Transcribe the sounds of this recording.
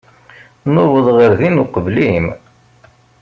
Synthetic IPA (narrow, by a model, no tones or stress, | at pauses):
nʊvəðˤʁəɾðinuqəvlim